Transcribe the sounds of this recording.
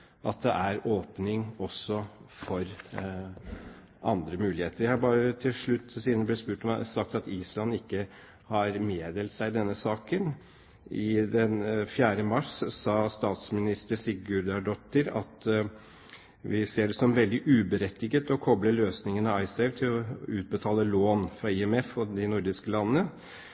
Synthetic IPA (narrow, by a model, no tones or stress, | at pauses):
ʔɑt̪̚d̪ɛ̰ʔæɾoːpnɪŋɔsːɔfɔɾ | ʔɑ̰nd̪ɾəmʉːlɪheːt̪əɾjæɪhɑɾbɑːɾət̪ʰɪlʂɭʉt̪ːsiːd̪nblɛt̪spʉːʈɔm̰sɑk̚t̪ɑt̪iːslɑnːɪkːə | hɑɾmeːd̪eːlt̪sæɪd̪ɛnːəsɑːkən | ɪd̪ɛnfjæːɾəmɑʂsɑːst̪ɑːt̪smɪnɪst̪əsɪɡʉɾd̪ɑɖɔt̪ːəɾɑ̰t̪ | ʋɪseːɖɛsɔmʋɛld̪ɪʔʉːbəɾɛt̪ːɪɡət̪ɔkʰɔbləløːsnɪŋənɑɑɪsɛʋt̪ʰɪlɔʉːt̪̚bət̪ʰɑːləloːnfɾɑɪɛmɛfɔd̪ɪnʊɾd̪ɪskəlɑnənə